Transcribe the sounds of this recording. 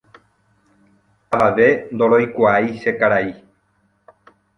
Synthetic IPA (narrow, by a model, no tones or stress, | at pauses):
aʋaʋe̞nd̪o̞ɾo̞jkʷaiʃekaɾai